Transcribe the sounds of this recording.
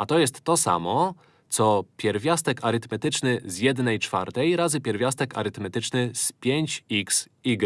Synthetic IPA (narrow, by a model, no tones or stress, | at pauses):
at̪ɔjɛst̪ːɔsa̰mɔ | t̪sɔpʲjɛɾvʲjast̪ɛkaɾɘt̪mɛt̪ɘt͡ʂnɘzjɛd̪nɛjt͡ʂfa̰ɾt̪ɛjɾazɘpʲjɛɾvʲjast̪ɛka̰ɾɘt̪mɛt̪ɘt͡ʂnɘspʲjeɲt͡ɕiks | iɡ